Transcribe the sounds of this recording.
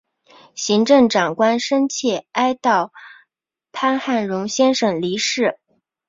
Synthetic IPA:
ɕi˧˥ŋʈ͡ʂɤ˥˩ŋʈ͡ʂɑ˨˩ŋkwa˥nʂə˥nt͡ɕʰjɛ˥˩a˥ɪt̪ɑ˥˩ʊ | pʰa˥nxa˥˩nɻʊ˧˥ŋɕjɛ˥nʂɤ˥˩ŋli˧˥ʂɻ̩˥˩

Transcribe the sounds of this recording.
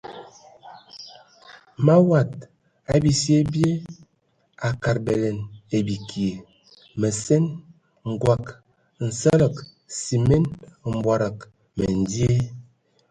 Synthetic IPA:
ma˦wa˨t̚ | a˨bi˨sje˦bje˦ | a˨ka˨ɾbe˨le˨ne˨bi˨kʰi˨e˨ | me˨se˦n | ŋ̩˨ɡwa˦˨k | n̩˨sə˦lə˦˨k | si˨me˦nm̩˨bwa˨ɾa˨k | me˨n˨di˦e˦

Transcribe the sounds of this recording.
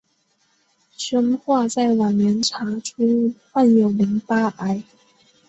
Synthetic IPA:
ɕə˥ŋxwa˥˧t͡sa˥˩ɪwa˨˩nɛ˧˥nʈ͡ʂʰa˧˥ʈ͡ʂʰu˥˩xa˥˩njo˨˩ʊli˧˥ŋpa˥ʔa˧˥ɪ

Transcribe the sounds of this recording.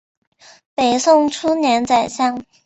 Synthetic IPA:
pe˨˩ɪsʊ˥˧ŋʈ͡ʂʰu˥njɛ˧˥nt͡sa˨˩ɪɕjɑ˥˩ŋ

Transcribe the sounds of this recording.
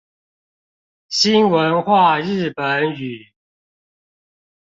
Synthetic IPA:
ɕi˦˥nwə˨˦nxwa˥˨ɻɻ̩˥˩pə˨˦ny˨˩˦

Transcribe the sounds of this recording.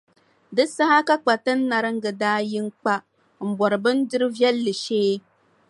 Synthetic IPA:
dɨ˦sa˦ha˦ka˦k͡pa˨tɨ˦n̩ː˦a˨ɾɨ˦ŋ̩˦ɡɨ˨daː˦ji˦ŋ˦k͡pa˦ | ŋ͡m̩˨bɔ˨ɾɨ˨bɨ˦n˦dɨ˦ɾɨ˦vjɛ˦lːɨ˨ʃeː˦

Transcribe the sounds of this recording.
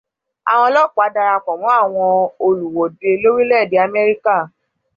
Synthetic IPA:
a̰˨w̃ɔ̃˧˦lɔ˦˨k͡pa˨˦da˧ɾa˧k͡pɔ̃˨mɔ̃˨˦a˦˨w̃ɔ̃˧o˧lu˨wɔ˨di˨˧e˧lo˦ɾi˦lɛ˦˨di˨˦a˧mɛ˦ɾi˦ka˦˨

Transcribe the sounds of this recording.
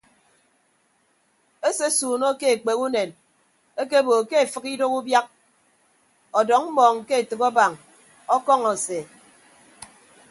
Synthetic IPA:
e˦se˦suː˨no˦ke˦e˨k͡pe˨ku˦ne˨n | e˦ke˦boː˨ke˦e˨fɨ˨ki˦do˦ku˦bja˦k̚ | ɔ˨dɔ˨˦ŋm̩˦mɔː˨ŋ̩˨ke˦e˨tɨ˨kɔ˦ba˨ŋ | ɔ˦kɔ˦ŋɔ˨se˨

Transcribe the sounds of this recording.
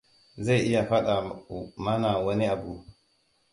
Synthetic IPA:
za˦jʔi˦ja˨fa˦ɗa˨ma˦na˨wo˦ni˦a˨ɡu˦

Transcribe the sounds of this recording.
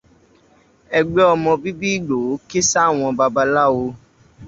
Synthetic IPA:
ɛ˧ɡ͡be˦ɔ˧mɔ̃˧bi˦bi˦i˦˨ɡ͡bo˨˦ke˦sa˦˨w̃ɔ̃˧ba˧ba˧la˦wo˧

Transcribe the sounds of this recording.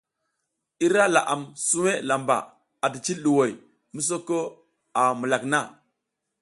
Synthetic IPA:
i˦ɾa˦la˨ʔa˨msu˦we˦la˨mba̰˨ | a˨di˨t͡ʃi˦lɗu˨wo˨j | mu˦s̬o˦ko˦ | a˨mu˨la˨kna˦

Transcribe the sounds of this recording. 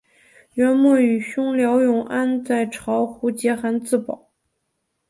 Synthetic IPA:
ɥɛ˧˥nmwɔ˥˩y˨˩ɕʊ˥ŋljɑ˧˥ʊjʊ˧˥ŋʔa˥nt͡sa˥˩ɪʈ͡ʂʰɑ˧˥ʊxu˧˥t͡ɕjɛ˧˥xa˧˥nt͡sɹ̩˥˩pɑ̰˨˩˦ʊ

